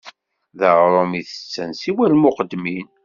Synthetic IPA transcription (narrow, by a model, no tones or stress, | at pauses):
ðəʁɾˤomiθə̥t͡sːənsiwælmʊqəd̪ːmin